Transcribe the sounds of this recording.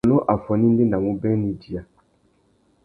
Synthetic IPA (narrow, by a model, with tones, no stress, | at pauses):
nɔ̃˦ʔa˨fɔ˨nĩ˦n̩˦de˦nã˨mũ˦bɛ̃˦nĩ˨di˨a˨